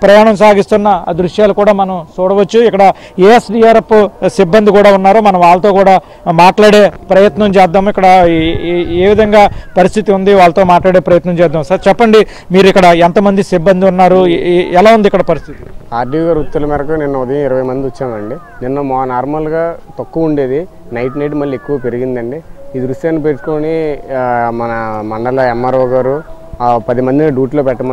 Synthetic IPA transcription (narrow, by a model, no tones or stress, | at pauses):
pɾɐjaːɳɐmsaːɡist̪unːɐd̪ɾuʂjaːlukuːɽaːmɐnɐmt͡ʃuːɽɐʋɐt͡ʃːuikːɐɽɐ | eːesɖijaːɾepusibːɐnd̪ikuːɽaːunːaːɾuːmɐnɐmʋaːɭɐt̪o̞ːkuːɽaː | maːʈlaːɽe̞ːpɾɐjɐt̪nɐmt͡ʃɛːd̪ːaːmuikːɐɽɐ | eːʋid̪ʱɐŋɡaːpɐɾist̪ʰit̪iund̪iʋaːɭɐt̪oːmaːʈlaːɽe̞ːpɾɐjɐt̪nɐmt͡ʃɛːd̪ːaːmsɐɾt͡ʃɛpːɐɳɖi | miːɾikːɐɽɐent̪ɐmɐnd̪isibːɐnd̪iunːaːɾuɛlaːund̪ikːɐɽɐpɐɾist̪ʰit̪i̥aːɾɖiɡaɾut̪ːulɐmɛːɾɐkuninːɐud̪ɐjɐ̃miɾɐʋɐjmɐnd̪iɐt͡ʃːaːmɐɳɖi | ninːɐmɔnaːɾmɐlɡaːt̪ɐkːuuɳɖe̞ːd̪i | nɐjʈnɐjʈ̬mɐlːie̞kːuʋaːpeɾiɡind̪ɐɳɖiiːd̪ɾuʂʈjaːnipeʈu̥koːni | mɐnɐmɐɳɖɐlɐɛmːɐɾɐːɡaːɾupɐd̪imɐnd̪inɐɖuːʈloːpɛʈːɐmɐ